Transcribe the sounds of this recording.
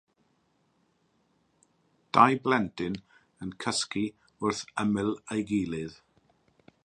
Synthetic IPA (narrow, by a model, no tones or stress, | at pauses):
d̥ajblɛntʰɪn | ənkʰəski | ʊrθəmɪlˠejɡiːlˠɪð